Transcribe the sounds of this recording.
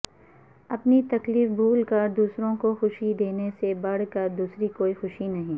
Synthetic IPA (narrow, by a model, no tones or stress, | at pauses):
ɐpnit̪ɐkliːfbʱuːlkɐɾd̪uːsɾõkoxʊʃid̪eːnesebɐɽ̤kɐɾd̪uːsɾikoːixʊʃinɐɦĩː